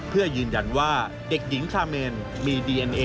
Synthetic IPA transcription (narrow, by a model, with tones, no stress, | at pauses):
pʰɯ˥˩ɐjɯː˧nja˧nwaː˥˩ | de˨˩k̚ji˩˦ŋkʰaː˧meː˧n | miː˧diː˧ʔe˧nʔeː˧